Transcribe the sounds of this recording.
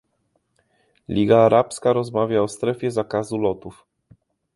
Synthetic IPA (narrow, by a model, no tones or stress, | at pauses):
lʲiɡaːɾʔapskaɾɔzmavʲjaɔst̪ɾɛfʲjɛzakazulɔt̪uf